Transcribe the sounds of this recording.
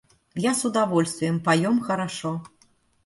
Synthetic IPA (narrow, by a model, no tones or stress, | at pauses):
jasud̪avɔlʲst̪vʲɛmpajɔmxɐɾaʂɔ